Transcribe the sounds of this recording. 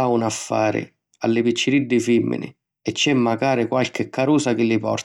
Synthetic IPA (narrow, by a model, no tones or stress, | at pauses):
aunafːa̰ːɾɪ̰ | a̰lːɪpit͡ʃːɪɾid̪ːɪfimːɪ̰nɪ̰ | ɛt͡ʃːɛmːaɡaːɾɪkwalkɪkʰːaɾuːsakɪlːɪpɔ̰rt̪